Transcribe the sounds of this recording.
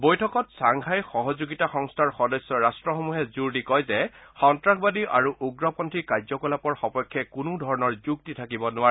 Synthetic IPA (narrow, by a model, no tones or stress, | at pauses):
bojtʰɔkɔtsaŋkʰajxɔɦɔzuɡitaxɔŋstʰaɹxɔdɔjsːɔɹastɹɔxomuɦɛzuɹdikɔjzɛxɔntɹakbadiʔaɹuʔuɡɹɔpɔntʰɹikaɹzɔkɔlapɔɹxɔpɔjkʰːɛkunʊdʱɔɹɔnɔɹzuktitʰakibɔnʊwaɹɛ